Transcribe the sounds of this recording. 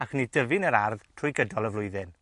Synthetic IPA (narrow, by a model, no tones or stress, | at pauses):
axnidəvɪnəɾarðtʰrʊjɡədɔlˠəvlʊjðɪn